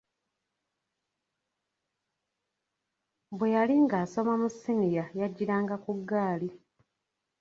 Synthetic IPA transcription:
bwe̞jaliŋɡaːso̞mamusinijajaɟːiɾaːŋɡakuɡːaːli

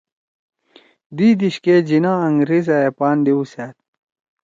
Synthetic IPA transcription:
d̪id̪iɕked͡ʑinaɐŋɡɾizɐepaːnd̪iusat̪̚

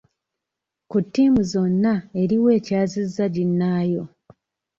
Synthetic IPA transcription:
kutːiːmuzo̞nːae̞ɾiwe̞ːcaːzizːaɟinːaːjo̞

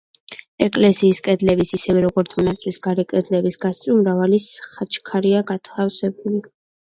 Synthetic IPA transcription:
ɛkʼlɛsiːskʼɛd̪lɛbisisɛvɛɾɔɡɔɾt̪sʰmɔnat̪sʼɾisɡaɾɛkʼɛd̪lɛbisɡast̪sʼumɾavalisχat͡ʃʰʼkʰaɾiaɡat̪ʰafsɛbuli

